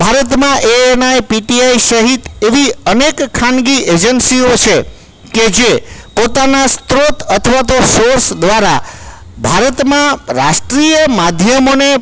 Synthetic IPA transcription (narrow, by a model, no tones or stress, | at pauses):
bʱaɾət̪mãʔeenajpiʈiaiʃəɦit̪eʋiənekkʰːãnɡied͡ʒənsiot͡ʃʰe | ked͡ʒepot̪anast̪ɾot̪ət̪ʰəʋat̪osoɾsd̪ʋaɾa | bʱaɾət̪mãɾa̰ʃʈɾijəmad̪ʱjəmone